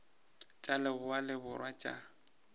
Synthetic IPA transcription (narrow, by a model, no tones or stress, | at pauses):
t͡ʃʼalɛbʊwalɪbʊrwat͡ʃʼa̰